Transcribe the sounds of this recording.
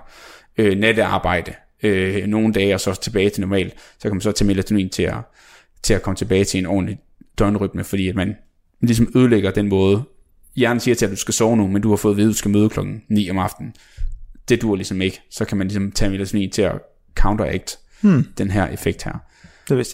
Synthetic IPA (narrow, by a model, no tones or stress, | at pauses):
øned̥əɑ̈ːb̥ɑ̈ɪ̰d̥ə | øno̝ːn̩d̥ɛːɒ̽sɒ̽t͡sʰe̝b̥ɛːɪt͡sʰe̝nɒmɛ̰ːld̥sɒkʰæmænsɒ̽t͡sʰɛmelæt͡sʰunḭːnt͡sʰe̝læ | t͡sʰe̝lækʰɒ̽mət͡sʰe̝b̥ɛːɪt͡sʰe̝enɒ̰ːn̩li | d̥ɒnəʁyb̥nəfɒdḭːæd̥mæn | lisɒ̽møð̞ˠleɡ̥ɐd̥enmɔ̽ːð̞ˠə | jæɐn̩siːɐt͡sʰe̝æd̥usɡ̥æsɒʊnumend̥uhɑ̈fɔ̽ːð̞̩ˠe̝ðˠð̩ˠsɡ̥æmøːð̞ˠkʰlɒ̽ɡ̥n̩nḭːɒ̽mɑ̈fd̥n̩ | d̥e̝d̥uɐ̰lisɒ̽me̝ɡ̥əsɒ̽kʰæmænlisɒ̽mt͡sʰɛ̰melæt͡sʰunḭːnt͡sʰe̝æ | kʰɑ̈ʊnd̥ɐeɡ̥̚d̥ | d̥enɦæɐʔe̝feɡ̥d̥hæɐ̰